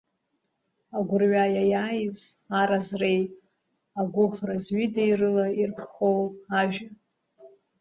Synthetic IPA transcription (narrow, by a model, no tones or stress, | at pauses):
aɡʷʊrɥajajaːjzaɾazrej | aɡʷʊχrazɥidejrɨlairpʰχowaʒᶣa